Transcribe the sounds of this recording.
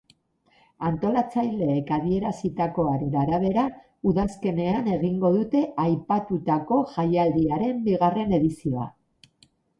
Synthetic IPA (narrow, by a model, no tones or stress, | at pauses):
ant̪o̞lat͡sajle̞ːkað̞ie̞ɾasit̪ako̞aɾe̞naɾaβe̞ɾa | uðaske̞ne̞ane̞ɣ̞iŋɡo̞ðut̪e̞ajpat̪ut̪ako̞ʝajald̪iaɾe̞mbiɣare̞ne̞ðisio̞a̰